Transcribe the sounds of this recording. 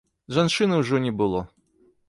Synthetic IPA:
ʐant͡ʂɨnɐwʐɔnʲɛbɨlˠɔ

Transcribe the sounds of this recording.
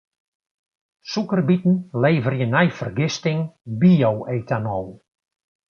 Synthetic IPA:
sukərbitn̩leːvərjənɛjfərɡɪstɪŋbijoweːtanɔw

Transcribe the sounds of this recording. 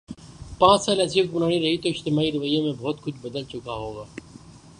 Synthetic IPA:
pãːt͡ʃsaːlɛsjəkbʊnaːɽ̃iɾɐɦit̪oɪd͡ʒt̪ɪmaːiɾɐʋəjːemẽbɔːt̪kʊt͡ʃʰbɐd̪əlt͡ʃʊkaɦoːɡaː

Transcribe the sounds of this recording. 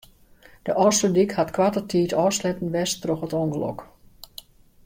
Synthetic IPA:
d̥əʔɔsədikhatkʋatətʰiːtɔːslɛpn̩ʋɛstroxətɔŋɡəlɔ̰k

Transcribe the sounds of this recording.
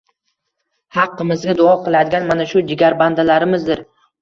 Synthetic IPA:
hɑqːɨmɪzɡʲad̪ʊɒqʰɨlˠad̪ɪɡʲanmanaʃʊd͡ʒɪɡʲaɾband̪alaɾɪmɪzd̪ɪɾ

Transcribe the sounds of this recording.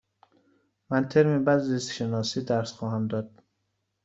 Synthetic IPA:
mænt̪ʰeɾmebæd̪zisʃenɒːsiːd̪æɾsxɒːɦæmd̪ɒːd̪̥̚

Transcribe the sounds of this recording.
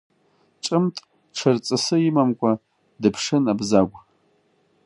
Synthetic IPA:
ʈ͡ʂʼɨmtʼ | ʈ͡ʂʰɨrt͡sʼɨsɨimamkʷʼa | dɨpʰʂɨnabzaɡʷ

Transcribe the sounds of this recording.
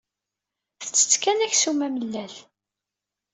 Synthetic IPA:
θə̥t͡sːə̥t͡sːkænæçsumæməlːæθ

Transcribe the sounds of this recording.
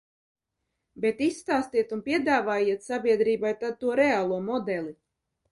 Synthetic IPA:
bet̪isːt̪aːst̪iɛt̪unpʲiɛd̪aːvaːjiɛt̪sabʲiɛd̪ɾiːbajt̪ad̪̚t̪uɔɾeaːlˠuɔmɔd̪ɛlˠi

